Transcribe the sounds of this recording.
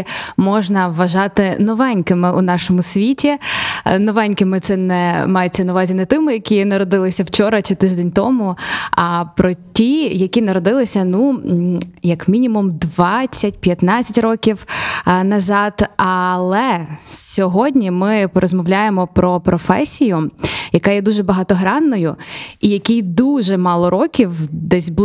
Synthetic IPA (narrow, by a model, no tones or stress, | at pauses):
mɔʒnɐʋːɐʒɑt̪ɪnɔʋɛnʲkɪmɪʔunɑʃɔmʊsʲʋʲitʲinɔʋɛnʲkɪmɪt̪sɛnɛmɑjet͡sʲːɐnɐʋɑzʲinɛt̪ɪmʊjɐkʲinɐɾɔd̪ɪlˠɪsʲɐwt͡ʃɔɾɐt͡ʃɪt̪ɪʒd̪ɛnʲt̪ɔmʊɐpɾɔtʲijɐkʲinɐɾɔd̪ɪlˠɪsʲɐnu | jɐkmʲinʲimumd̪ʋɑt͡sʲːɐt̚ʲpʲjɐt̪nɑt͡sʲɐtʲrɔkʲiwnɐzɑt̪ɐlˠɛssʲɔɦɔdʲnʲimɪpɔɾɔzmɔwlʲajemɔpɾɔpɾɔfɛsʲijʊjɐkɑjɛd̪uʒɛbɐɦɑt̪ɔɦɾɑnːɔjʊijɐkʲijd̪uʒɛmɑlˠɔɾɔkʲiwd̪ɛsʲb̪